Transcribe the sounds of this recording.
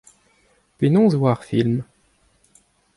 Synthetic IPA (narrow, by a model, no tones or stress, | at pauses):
penɔ̃zvwaʁfilm